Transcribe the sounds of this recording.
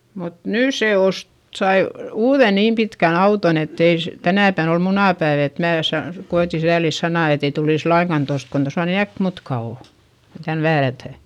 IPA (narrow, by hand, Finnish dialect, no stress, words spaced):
mut nyˑ se ost sɑi uːðe niːm pikæn ɑuton etːei s tænæˑpæn ol munɑˑpæiʋ et mæː sɑ koeti sæːlis sɑnɑˑ etei tuliˑs lɑiŋkɑn tost kon tosɑ ni ækmutkɑ oˑ kon tæn ʋæːrætæˑ